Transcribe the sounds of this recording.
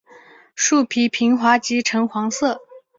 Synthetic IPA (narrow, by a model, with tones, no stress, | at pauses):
ʂu˥˩pʰi˧˥pʰi˧˥ŋxwa˧˥t͡ɕi˧˥ʈ͡ʂʰɤ˧˥ŋxwɑ˧˥ŋsɤ˥˩